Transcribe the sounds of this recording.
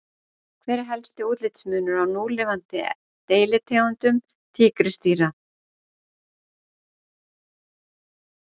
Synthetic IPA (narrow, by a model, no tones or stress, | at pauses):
kʰvɛːɾɪɦɛlst̪ɪuːt̪lɪt̪smʏːnʏɾawnuːlɪvant̪ɪ | t̪eːjlɪt̪ʰɛːwant̪ʏm | t̪ʰiːkɾɪst̪iːɾa